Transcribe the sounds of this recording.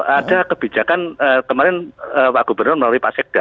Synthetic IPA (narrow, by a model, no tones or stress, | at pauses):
ad̥akəb̥id͡ʒakanəːkəmaɾɪnəpaɡ̥ubərnʊrməlaluipa̰sɪk̚d̥a